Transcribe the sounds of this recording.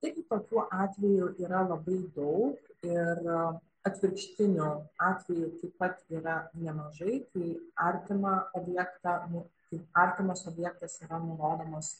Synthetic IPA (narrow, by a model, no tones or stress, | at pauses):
t̪ɐɪɡʲɪt̪oːkʲuːʔɑːt̪ʲʋʲɛjʊʔiːɾɐlˠɐbɐɪd̪ɐʊkɪr | ɐt̪ʲʋʲɪɾkʃʲt̪ʲɪnʲʊɑːt̪ʲʋʲɛjʊt̪ɐɪppɐt̪iːɾɐnʲɛmɐʒɐɪkɐɪɐɾʲt̪ʲɪmɑːoːbʲjɛkt̪ɑːnʊt̪ɐɪɐɾʲt̪ʲɪmoːsoːbʲjɛk̚t̪ɐsiːɾɐnʊloːd̪ɐmoːs